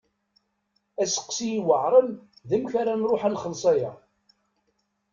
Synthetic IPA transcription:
æsə̥qːsiiwəʕɾˤənðəmçaɾanɾˤʊħænχəlsˤɑjæ

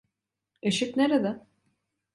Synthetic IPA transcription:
eʃikneɾed̪ɛ

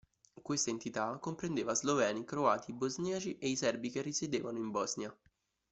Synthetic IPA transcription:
kwest̪aent̪it̪akːompɾend̪eːvazlovɛːnikɾoaːt̪ibozniːt͡ʃiʔeisɛrbikerːised̪eːvanoimbɔznja

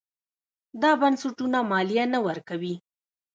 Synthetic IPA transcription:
d̪ɑbansʊʈunamɑlijanawəɾkawi

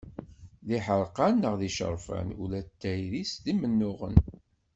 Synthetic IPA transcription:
ðiħəɾˤqɑnːəʁðiʃə̰ɾˤfæ̰nulæt̪ːæjɾisðimənːʊʁə̰n

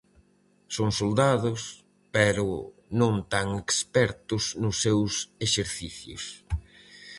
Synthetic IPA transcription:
soŋsold̪aðʊs | pɛɾʊnõŋt̪aŋekspɛɾt̪ʊznʊsːewseʃeɾθiθjʊ̰s

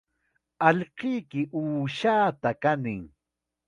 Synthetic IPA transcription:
ɑʎqɪjkɪʔuːʃaːt̪akanɪŋ

